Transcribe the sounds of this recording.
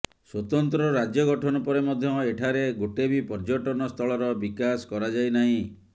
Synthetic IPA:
swɔt̪ɔnt̪ɾɔɾad͡ʒjɔɡɔʈʰɔnɔpɔɾemɔd̪ʱjɔeʈʰaɾeɡoʈebipɔɾd͡ʒɔʈɔnɔst̪ʰɔɭɔɾɔbikasɔ̥kɔɾad͡ʒajnaɦĩ

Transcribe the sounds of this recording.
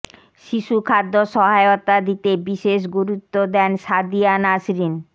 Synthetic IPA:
ʃiʃukʰad̪ːoʃɔɦaeot̪ad̪it̪ebiʃeʃ̬ɡuɾut̪ːod̪ɛnʃad̪ijanasɾin

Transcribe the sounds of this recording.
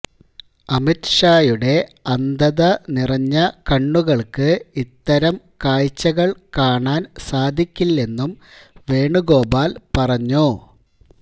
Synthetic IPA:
ɐmitʂaːjuɽe̞ɐnd̪ɐðɐnirɐɲːɐkɐɳːuɣɐɭkɨit̪ːɐɾɐm | kaːjt͡ɕːɐɣɐɭkaːɳaːnsaːd̪ʱikʲːilːe̞nːum | ʋe̞ːɳuɣo̞ːbaːlpɐrɐɲːu

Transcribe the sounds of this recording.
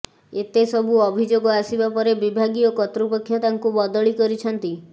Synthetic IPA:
et̪esɔbʱuɔbʱid͡ʒoɡɔasibapɔɾebibʱaɡiɔkɔt̪ɾupekʰːjɔt̪aŋkubɔd̪ɔɭikɔɾit͡ʃʰɔnt̪i

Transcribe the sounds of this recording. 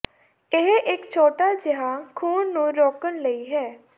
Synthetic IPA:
ɪɦʔɪkt͡ʃʰoːʈaːd͡ʒɪɦaːkʰuːnːũːɾoːkənləiːɦɛː

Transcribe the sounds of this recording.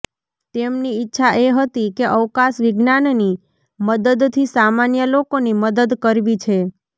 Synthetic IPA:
t̪emniɪtːʃʰaʔeɦət̪ikeʔəʋkasʋɪɡnanni | məd̪əd̪t̪ʰisamanjəlokoniməd̪əd̪kəɾʋit͡ʃʰe

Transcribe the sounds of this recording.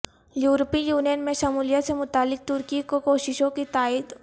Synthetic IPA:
juːɾpijuːnijənmẽʃɐmuːlijasemʊt̪aːlːɪk̚t̪ʊɾkikokoːʃɪʃõkit̪aːɪd̪

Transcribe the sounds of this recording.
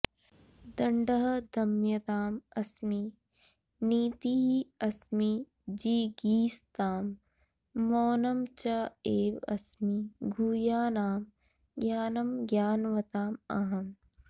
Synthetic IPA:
d̪ɐɳɖɐɦɐd̪ɐmjɐt̪aːmɐsmi | niːt̪iɦiɐsmi | d͡ʒiːɡiːst̪aːmː | oːnɐmt͡ʃaːeːʋɐ̰smiɡʱuːjaːnaːm | ɡjaːnɐmɡjaːnʋɐt̪aːmɐ̰ɦɐm

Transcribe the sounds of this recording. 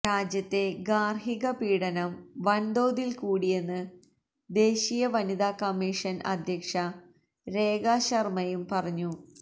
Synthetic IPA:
ɾaːd͡ʑjɐt̪ːe̞ɡaːrɦiɣɐpiːɽɐnɐmʋɐnd̪o̞ːd̪ilkuːɽijenːɨ | d̪e̞ːɕijɐʋɐnid̪aːkɐmːiːʂɐnɐ̰d̪ʱjɐkʂɐ | ɾe̞ːɡaːɕɐrmɐjumpɐrɐɲːu

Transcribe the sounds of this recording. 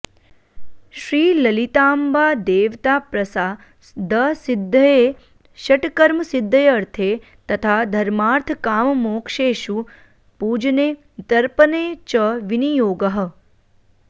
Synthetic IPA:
ʃɾiːlɐlit̪aːmbaːd̪eːʋt̪aːpɾɐsaː | d̪əsɪd̪ʱːəje | ʃɐʈkɐɾməsɪd̪ʱːəjɐɾt̪ʰeː | t̪ɐt̪ʰad̪ʱɐɾmaːɾt̪ʰkaːmmoːkʃeːʃu | puːd͡ʒneː | t̪ɐɾpəneːt͡ʃəʋinijoːɡəɦə̆

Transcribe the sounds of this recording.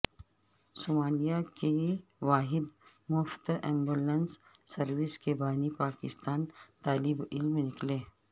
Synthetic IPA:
soːmaːlijakeʋaːɦɪd̪ | mʊft̪ɛ̃ːmbuːlənsː | ɐɾʋɪskebaːnipaːkɪst̪aːnt̪aːlibɪlmenɪkleː

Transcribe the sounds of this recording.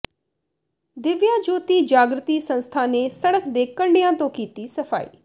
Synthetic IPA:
d̪ɪʋjãːd͡ʒoːt̪iːd͡ʒaːɡɾət̪iːsə̃nst̪ʰaːneːsəɽəkʰd̪eːkəɳɖɪjãːt̪õːkiːt̪iːsəpʰa̰ːḭː

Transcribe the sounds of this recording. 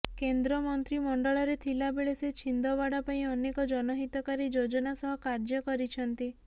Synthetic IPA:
kend̪ɾɔmɔnt̪ɾimɔɳɖɔɭɔɾet̪ʰilabeɭeset͡ʃʰind̪ɔbaɽapaĩɔnekɔd͡ʒɔnɔɦit̪ɔkaɾid͡ʒod͡ʒɔnasɔɦɔkaɾd͡ʒɔkɔɾit͡ʃʰɔnt̪i

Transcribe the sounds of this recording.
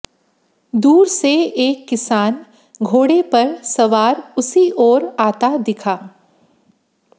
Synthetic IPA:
d̪uːɾseeːkːɪsaːn | ɡʱoːɽepɐɾsɐʋaːɾʊsiʔɔːɾaːt̪ad̪ɪkʰaː

